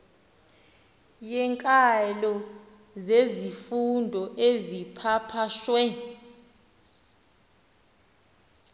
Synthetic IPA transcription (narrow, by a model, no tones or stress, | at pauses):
jɛŋkʼalɔ | zezifundʱɔʔezipʰapʰaʃwɛ